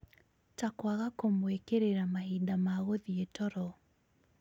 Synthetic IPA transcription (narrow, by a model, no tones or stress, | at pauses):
takwaɣakomwekeɾeɾamahidamaɣoðietɔɾɔ